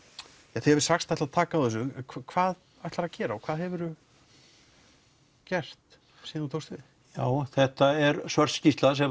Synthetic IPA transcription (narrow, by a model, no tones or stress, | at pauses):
jaθeɛvɪɾ̥saxst̪ajht̪aðt̪ʰaːkawðɛs̬ʏkʰvakʰvaːð | ajht̪laɾaðcɛːɾaɔkʰv̥aːðɦɛvʏɾʏ | cɛr̥t̪ | siːðnut̪ʰowst̪vɪ | jaːwθɛht̪aɛɾsvœɾ̥scist̪lasɛ